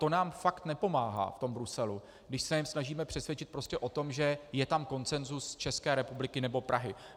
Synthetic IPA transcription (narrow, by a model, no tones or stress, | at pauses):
t̪o̞naːmfakt̪nɛpo̞maːɦa̰ːft̪o̞mbɾusɛlu | ɡdɪʃsɛjɛmsnaʒiːmɛpr̥ɛsvjɛt͡ʃɪt̪̚pɾo̞scʲɛʔo̞t̪o̞mʒɛjɛt̪amko̞nt͡sɛnzust͡ʃɛskɛːɾɛpublɪkɪnɛbo̞pɾʔaɦɪ